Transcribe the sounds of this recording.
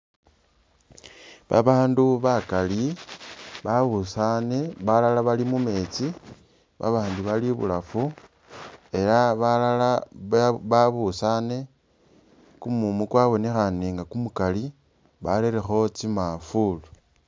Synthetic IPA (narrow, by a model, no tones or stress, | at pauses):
βa̰βaːnduβakali | βaβusaneβalalaβalimume̞t͡si | βa̰βaːnduβaliβṵlafu | e̞laβala | βaβusane̞ | kumumukwaβo̞ne̞xane̞ŋɡakumukali | βaleɾexo̞t͡simafulu